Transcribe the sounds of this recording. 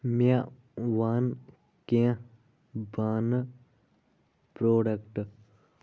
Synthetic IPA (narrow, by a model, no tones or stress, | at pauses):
mja | ʋaːn | kẽã | baːn | pɾoːɖɐkʈ